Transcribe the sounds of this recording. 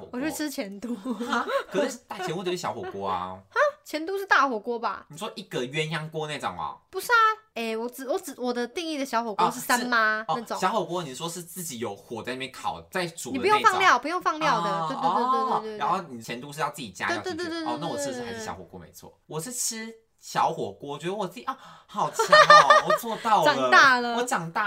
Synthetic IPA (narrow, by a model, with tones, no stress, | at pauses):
kwɔ˨˩t͡ɕʰo˥˧ʈ͡ʂʰɻ̩˥t͡ɕʰjɛ˧˦nt̪u˥kʰi˧˥˩ʂ̩˥˩t̪a˥˩jɛ˧nku˧˥t̪t͡ɕʰi˥˩jɑ˧˥ʊxɔ˨˥˩kwɔ˥a̰˧a˦t͡ɕʰjɛ˧˥nt̪̬u˥ʂɻ̩˥˧t̪a˥˩xwɔ˨˩kwɔ˦˥ba̰˨ni˨˩ʂwɔ˥ʔi˥˩ɡə˨ɥɛ˥njɑ˥ŋkwɔ˥na˥˧ʈ͡ʂo˨˩ŋma̰˨˩pu˧˩sa˥˩e˥˩wɔ˨˩t͡sɻ̩˨˩wɔ˨˧˦ɻ̩˨˩wɔ˨˩d̪ə˦t̪i˥˧ŋi˥˩d̪ə˩ɕjɑ˧˥ʊxwɔ˨˩kwɔ˧˦ʂ̬̩˥˩sa˥˦˥nma˧n˧a˥˩o˨ŋɕjɑ˧˥xwɔ˨˩kwɔ˥ni˨˩wɔ˥ʂɻ̩˥˧t͡sɹ̩˥˩t͡ɕi˨˩jo˨˩ʊxwɔ˨˩a˥˧n˧mɛ˧˦ŋkʰɑ˨˩ʊt͡sa˥˩ɪt͡su˨pu˧˦jo˥˧ŋfɑ˥˧ŋljɑ˥˨ʊpu˧jo˥˧ŋfɑ˥˧ŋljɑ˥˨ʊd̪ə˩t̪e˥˧e˥˧t̪we˥˧t̪we˥˧t̪a˧˦nxo˥˩ʊni˨˩t͡ɕʰjɛ˧˦nt̪u˧ʂɻ̩˥˧jɑ˥˧ʊt͡sɨ˥˩t͡ɕi˨˩t͡ɕja̰˥˧˥t̪t̪a˥˩wɔ˨˩ɻ̩˥˩˧a˧ɪʂ̩˥˩jɑ̰˧˥ʊxɔ˨˩kwɔ̰˥mḛ˧˦ɪt͡sʰwɔ̰˥˩wɔ˨˩ʂɻ̩˥˩ʈ͡ʂ̩ʰ˥ | ɕjɑ˧˦ʊxwɔ˨˩kwɔ˥wt͡ɕɥɛ˧˥d̪ə˧wɔ˨˩t͡sɹ̩˥˩t͡ɕi˨˩a˥˩ | hɑ˨˩ʊt͡ɕʰwɔ˨t͡swɔ˥˧t̪ɑ˥˩ʊɑ˨˩ŋt̪a˥˩lə˩wɔ˧˦t͡ɕɑ˨˩ŋt̪a˥˩